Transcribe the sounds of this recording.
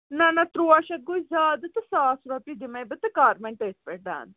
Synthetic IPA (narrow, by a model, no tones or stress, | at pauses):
nɐnɐt̪ɾuɐʃɐt̪̚ɡujzaːd̪ɨt̪ɨsaːsuɾɐpid̪imɐjbɨt̪ɨkaːɾmeɳʈəːspeʈ̚ɖa̰ːn